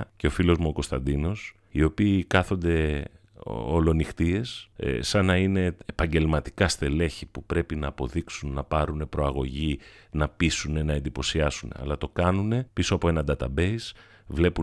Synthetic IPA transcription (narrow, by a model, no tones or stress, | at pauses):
ce̞o̞filo̞zmuoko̞st̪ɐnd̪ino̞s | io̞piːkɐθo̞nd̪e̞ | olo̞nixt̪ie̞ssɐnɐine̞ːpɐɲɟe̞lmɐt̪i̥kɐst̪e̞le̞çipupɾe̞pinɐːpo̞ðiksunːɐpɐɾune̞pɾo̞ɐɣo̞ʝinɐpisune̞nɐe̞nd̪ipo̞siɐsune̞̰ɐ̰lɐt̪o̞kɐnune̞pisoɐpoe̞nɐnd̪ɐt̪ɐbe̞is | vle̞pu